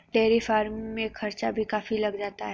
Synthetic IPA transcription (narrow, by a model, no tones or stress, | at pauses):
ɖeːɾifaːɾmːẽxʰɐɾt͡ʃabʱikaːfilɐɡd͡ʒaːt̪aɦɛ